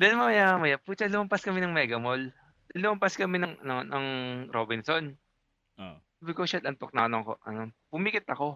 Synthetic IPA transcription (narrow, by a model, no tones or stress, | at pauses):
d̪ɛnmoɐjamɐjaput͡ʃalʊmɐmpɐskɐmɛnɐŋmɛɡɐmol | d̪̥ɛnlʊmɐmpɐskɐmɛnɐŋɐnonɐŋɾobɪnson | bɪkosad̪ɐnt̪ok̚nɐʔnokoʔɐ̰nobʊmikɪt̪ɐko̞